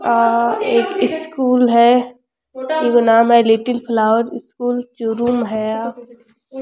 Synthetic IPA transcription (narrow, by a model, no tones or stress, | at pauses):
aːeːkɪskuːlɦɛ | jikonaːmɦɛliʈɪlpʰlaːʋəɾɪskuːlt͡ʃoːɾuːmɦɛaː